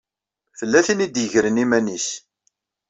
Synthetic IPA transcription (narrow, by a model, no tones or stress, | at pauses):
θəlːæθinid̪jəʝɾənimænis